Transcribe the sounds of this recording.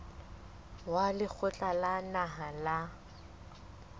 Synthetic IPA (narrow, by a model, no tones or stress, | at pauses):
walɪk͡xʰʊt͡ɬʼalanaɦala